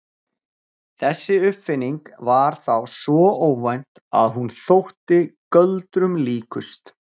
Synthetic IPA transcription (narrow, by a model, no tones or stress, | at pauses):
θɛsːɪʏpfɪnːiŋkvaɾ̥θawsvɔoːwvajn̥t̪a̰ðɦunθowht̪ɪkœlt̪ɾʏmliːkʏst̪